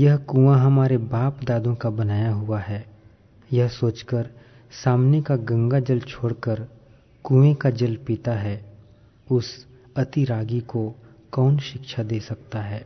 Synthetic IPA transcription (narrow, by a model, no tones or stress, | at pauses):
jɐɦkuãɦɐmaːɾebaːpd̪aːd̪õkabɐnaːjaɦʊaɦɛː | jɐɦsoːt͡ʃkəɾ | saːmnekaɡɐ̃ŋɡad͡ʒɐlt͡ʃʰoːɽkəɾ | kũẽkad͡ʒɐlpit̪aɦɛː | ʊs | ɐt̪iɾaːɡiko | kɔːnʃɪkʃʰad̪eːsɐk̚t̪aɦɛː